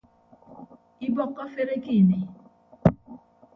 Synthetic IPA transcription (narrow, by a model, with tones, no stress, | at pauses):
i˦bɔ˦kːɔ˦fe˦ɾe˦ki˦˨ne˨